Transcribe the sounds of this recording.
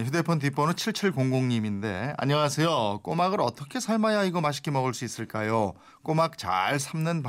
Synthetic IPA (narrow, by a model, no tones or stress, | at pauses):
ɸʰude̞pʰʌnt̬ip͈ʰʌnɯnt͡ɕʰiɭt͡ɕʰiɭkoŋɡoŋɲiminde̞̰a̰ɲʌwasʰe̞jok͈omaɡɯɾʌ̰t͈ʌkʰe̞sʰaɭmajaiɡʌmaɕ̬ʰi̥k͈ʰimʌɡɯɭs͈uis͈ɯɭk͈ajo | k͈omak̚t͡ɕa̰ɭsʰamnɯnp